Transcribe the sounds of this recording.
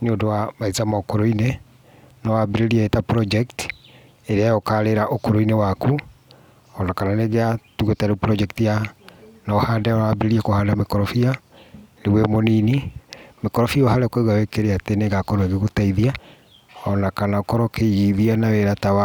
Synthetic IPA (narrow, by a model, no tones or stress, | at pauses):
neodowamaizamaokoɾoine | nɔwabeɾeɾiaetapɾɔd͡ʒɛkt | eɾeajɔkaɾeɾaʔokoɾoinewaku | ɔnakananeɣeatuɣotaɾepɾɔd͡ʒɛktijanaɔhaːndaɔnawabeɾeɾiakohaːndamekɔɾɔfia | ɾewemoninimekɔɾɔfioɦaɾekweɣawekeɾeateneɣakɔɾoeɣeɣotaiðia | ɔnakanaokɔɾɔkeɣiðianaweɾatawa